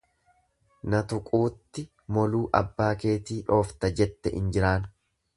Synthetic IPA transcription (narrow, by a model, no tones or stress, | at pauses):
nɐt̪ʊkʼuːt̪ːɪ | mɔluːʔɐbːaːke̞ːt̪iːᶑo̞ːft̪ɐd͡ʒɛt̪ːɛʔɪ̰nd͡ʒɪɾaːn